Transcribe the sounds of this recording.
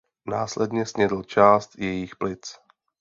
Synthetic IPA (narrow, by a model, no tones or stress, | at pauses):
naːslɛdɲɛsɲɛdl̩t͡ʃaːst̪jɛjixplɪt͡s